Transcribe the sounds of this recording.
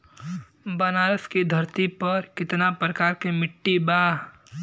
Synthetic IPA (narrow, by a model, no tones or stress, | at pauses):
bɐnaːɾəskid̪ʱɐɾt̪ipɐɾkɪt̪napɾəkaːɾkemɪʈːibaː